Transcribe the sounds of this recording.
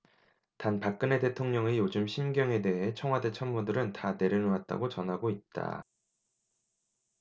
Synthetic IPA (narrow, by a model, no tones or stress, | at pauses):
tanpak̚k͈ɯne̞te̞tʰoŋɲʌŋejod͡ʑɯmɕʰimɡjʌŋe̞de̞ɦe̞t͡ɕʰʌŋɦwade̞t͡ɕʰʌnmudɯɾɯntane̞ɾjɯnoat̚t͈a̰ɡot͡ɕʌnɦaɡoit̚t͈a̰